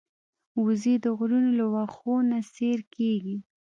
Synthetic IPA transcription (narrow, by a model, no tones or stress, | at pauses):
wuzid̪əɣɾunolawaxonaseɾkeɡi